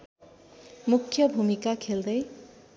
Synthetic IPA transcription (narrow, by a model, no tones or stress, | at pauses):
mukʰjʌbʱumikakʰeld̪ʌj